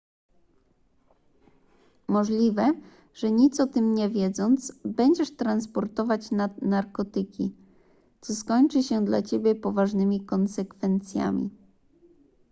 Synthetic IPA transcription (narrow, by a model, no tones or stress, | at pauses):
mɔʐlʲivɛ | ʐ̥ɛɲit̪sɔt̪ɘmɲɛvʲjɛd̪zɔnt̪sbɛɲd͡ʑɛʂt̪ɾanspɔɾt̪ɔvat͡ɕnad̪naɾkɔt̪ɘkʲi | t̪sɔskɔɲt͡ʂɘɕɛd̪la̰t͡ɕebʲjɛpɔvaʐnɘmʲikɔnsɛkfɛnt̪sʲja̰mʲḭ